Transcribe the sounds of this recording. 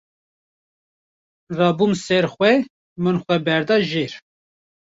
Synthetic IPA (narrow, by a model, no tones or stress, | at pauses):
rɑːbumsɛɾxʷwɛ | mɨnxʷɛbɛɾd̪ɑːʒeɾ